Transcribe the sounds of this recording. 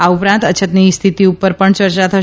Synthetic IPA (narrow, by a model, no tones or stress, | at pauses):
aupɾãnt̪ət͡ʃʰət̪nist̪ʰit̪iupəɾpəɳt͡ʃəɾt͡ʃat̪ʰə